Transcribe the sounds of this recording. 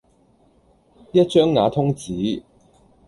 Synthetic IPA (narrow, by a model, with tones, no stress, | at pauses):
jɐ˥t̚t͡ʃœː˥ŋːaː˨˧˥t̪ʰʊ˥ŋt͡siː˨˥